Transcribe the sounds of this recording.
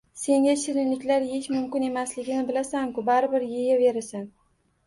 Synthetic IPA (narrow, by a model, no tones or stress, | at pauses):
se̞ŋʲaʃɪɾɪnlɪkʲlaɾheʃmʊmkʲɪne̞maslɪɡʲɪnɪbɪlasamkʊbaɾɪbɪɾjejave̞ɾɪsan